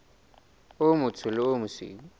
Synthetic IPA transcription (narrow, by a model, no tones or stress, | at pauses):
ʊmʊtʰʊlʊʊmʊsḭːŋ̩